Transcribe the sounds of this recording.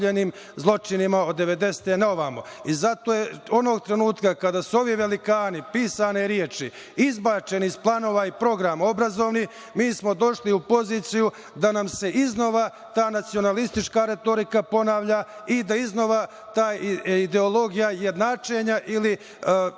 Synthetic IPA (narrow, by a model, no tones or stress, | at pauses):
eniːm | zlˠo̞t͡ʃinimao̞d̪ːe̞ʋe̞d̪e̞se̥t̪enaoʋaːmo̞izat̪o̞ːjeo̞noɡ̚t̪ɾe̞nuːt̪kakad̪aːsuo̞ʋiʋe̞likaːnipiːsaneɾjeːt͡ʃi | izbaːt͡ʃe̞nizplˠano̞ːʋaipɾo̞ɡɾamao̞bɾazo̞ːʋni | miːsmo̞d̪o̞ʃliupo̞ziːt̪siju | d̪anamse̞ʔizno̞ʋa | t̪aːnat̪sio̞nalist̪it͡ʃkaɾe̞t̪o̞ɾikapo̞naːʋʎaid̪aizno̞ʋa | t̪aːjid̪e̞o̞lˠo̞ɡijaje̞d̪naːt͡ʃe̞ɲaʔili